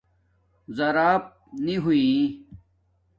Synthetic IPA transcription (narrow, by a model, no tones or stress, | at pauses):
zɐɾaːp̚niɦui